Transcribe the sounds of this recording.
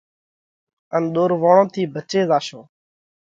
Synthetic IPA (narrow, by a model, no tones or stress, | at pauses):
ənɗ̪oːɾʋaːɳõːt̪ʰiːbʱət͡ʃeːzaːʃõː